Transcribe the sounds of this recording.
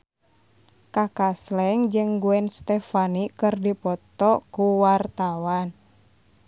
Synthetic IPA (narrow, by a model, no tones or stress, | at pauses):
kakaslɛŋd͡ʒɨŋɡuɛnst̪ɛfanikɨrdipɔt̪ɔkuwart̪awan